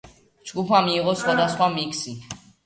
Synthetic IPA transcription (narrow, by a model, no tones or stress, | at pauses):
d͡ʒɡupʰamiːʁɔsχwad̪asχwamikʰsi